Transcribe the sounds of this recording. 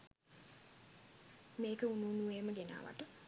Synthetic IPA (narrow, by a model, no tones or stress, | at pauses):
mekəununueməɡena̰ʋa̰ʈə